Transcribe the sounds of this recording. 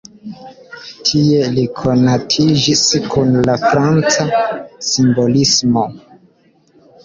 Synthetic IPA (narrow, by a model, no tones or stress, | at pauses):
tʰie̞likʰo̞natʰid͡ʒiskunlafɾant͡sasimbo̞lismo̞